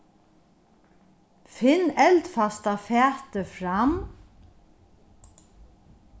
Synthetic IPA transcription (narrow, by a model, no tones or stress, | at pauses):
fɪnːɛlt̪fast̪afæːt̪əfɾam